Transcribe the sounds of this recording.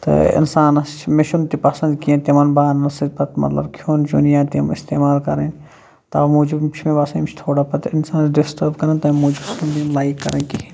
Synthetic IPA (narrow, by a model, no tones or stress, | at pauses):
t̪ɐ̰ɪ̰nsaːnɐst͡ʃʰmɪʃunt̪ipɐsɐnd̪kijẽt̪imɐnbaːnːɐsipɐt̪mɐ̰t̪lɐ̰bkʰjoːnt͡ʃunijãːt̪imɪst̪eːmaːlkɐɾen | t̪ɐ̰muːd͡ʒibt͡ʃʰmẽbasɐ̃mt͡ʃʰt̪ʰoːɽaːpɐt̪ɪnsaːnɖɪsʈɐɾbkɐɾɐnt̪aːmoːd͡ʒibsund̪imlaːikːɐ̰ɾɐnki